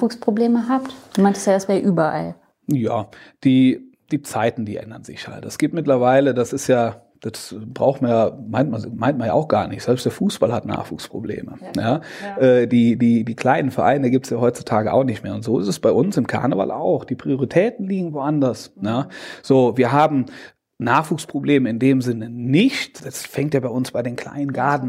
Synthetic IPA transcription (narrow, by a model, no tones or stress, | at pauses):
uːkspʁ̥obleːməɦaːptd̥uːmaɪntəstjaːdasv̥ɛːʔyːbɐʔa̰l | jaːd̥iː | d̥iːt͡saɪtn̩diːʔʔɛ̰ndɐnzɪ̰çha̰ltd̥asɡ̥iːp̚tmɪtlɐvaɪlədasɪstjaː | d̥asb̥ʁaʊxtmanjaːmaɪntmanmaɪntmanja̰ʊxɡ̥aːɐnɪçtz̥ɛlpstd̥eːɐfuːsb̥alhatna̰ːχv̥ṵːkspʁ̥oblḛːmə̰jaːʔɛːdiːdiːdiːkl̥aɪnənfɛɐʔa̰ɪnəiɡiːptsjaːɦɔʏt͡su̥tʰaːɡəʔa̰ʊxnɪçtmeːɐʊntz̥oːɪstɛsb̥aɪʔʊnsɪmkʰa̰ɐnəva̰lʔa̰ʊxd̥iːpʁ̥ioʁitʰɛːtn̩liːɡŋ̩voʔandɐsjaːz̥oːviːɐɦaːbm̩ | naːχv̥uːkspʁ̥obleːməɪndeːmzɪnənɪçtd̥asfɛŋtjaːbaɪʊnsb̥aɪdeːnkʰl̥a̰ɪnənɡaɐdn̩